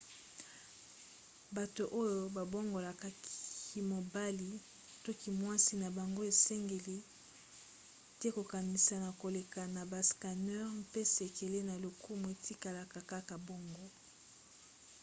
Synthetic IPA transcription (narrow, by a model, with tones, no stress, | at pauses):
ba˨to˨ʔo˦jo˨ba˨bo˦ŋɡo˨la˨ka˨i˨mo˨ba˦li˨ | to˦ki˨mwa˦si˨˦na˨ba˨ŋɡo˦e˨sɛ˦ŋɡe˨li˦ | tɛ˦ko˨ka˨ni˨sa˨na˨ko˨le˨ka˨na˨ba˨ska˨nɛ˦ʁm˦pe˦se˨ke˨le˦na˨lo˨ku˦mu˨e˨ti˦ka˨la˨ka˨ka˦ka˨bo˦ŋɡo˦